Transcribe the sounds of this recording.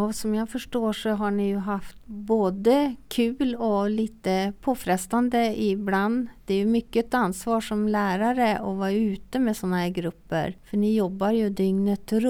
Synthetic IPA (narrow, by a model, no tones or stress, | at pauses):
sɔmjɑɡfœʂʈoːʂɔɦaɳɪjɵɦaft̪boːd̪əkʰʉ̟ːlɔliːt̪əpʰoːfɾɛst̪and̪əɪbland̪d̪̥ɛæɾjɵmʏkːəɛt̪anːsvɑːʂɔmlæːɾaɾəɔvɑɾʉ̟ːt̪əmɛsɔnːahæːɾɡɾɵpːə̰ɾfœɳɪjɔbːaɾjɵd̪ʏŋnət̪ʰːɾ